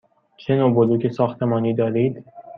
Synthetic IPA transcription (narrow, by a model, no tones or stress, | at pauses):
t͡ʃʰenobod̪ukʰesɒːxt̪ʰemɒːniːd̪ɒːɾiːd̪